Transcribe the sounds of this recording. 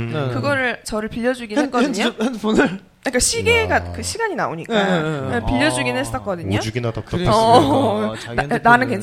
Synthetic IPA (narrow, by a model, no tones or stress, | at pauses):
kɯɡʌɾɯɭt͡ɕʌɾɯɭpiʎːʌd͡ʑuɡinɦek͈ʌdɯɯɲohanpunɯɭ | ak͈aɕʰiɡe̞ɡakɯɕʰiɡaɲinaoɲik͈apiʎːʌd͡ʑuɡinhes͈ʌk͈ʌdɯɲouɡinatʌʌ | nnanɯnkwent͡ɕ